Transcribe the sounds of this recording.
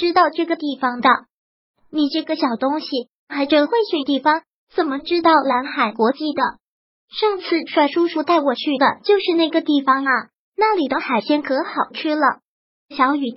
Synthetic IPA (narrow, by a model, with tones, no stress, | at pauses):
ʈ͡ʂɻ̩˥t̪ɑ˥˧ʊʈ͡ʂɤ˥˩ɡə˩t̪i˥˩fɑ˨˩ŋd̪ə˨ | ni˨˩ʈ͡ʂɤ˥˩ɡə˩ɕjɑ˨˩ʊt̪ʊ˥ŋɕi˨ | xa˧˥ɪʈ͡ʂɤ˨˩xwe˥˧ɪɕy˥˩t̪i˥˩fɑ˨˩ŋ | t͡sə˨˩nmə˦ʈ͡ʂɻ̩˥t̪ɑ˥˩ʊla˧˥nxa˨˩ɪkwɔ˧˥t͡ɕi˥˩d̪ə˩ | ʂɤ˥˧ŋt͡sʰɹ̩˥˩ʂwa˥˩ɪʂu˥ʂu˥t̪a˥˩ɪwɔ˨˩t͡ɕʰy˥˩d̪ə̰˩t͡ɕjo˥˧ʊʂɻ̩˥˧na˥˩ɡə˩t̪i˥˩fɑ˨˩ŋɐ˨˩ | na˥˩li˨˩d̪ə˦xa˨˩ɪɕʰjɛ˥nkʰɤ˧˥xɑ˨˩ʊʈ͡ʂ̩ʰ˥˩lə˩ | ɕjɑ˧˥ŋy˨˩